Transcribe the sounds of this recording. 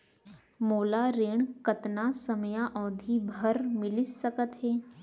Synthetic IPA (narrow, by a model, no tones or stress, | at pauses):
moːlaɾeːɳ̃kɐt̪nasəmjãʔɔːd̪ʱibʱəɾmɪlɪssəkət̪ɦɛː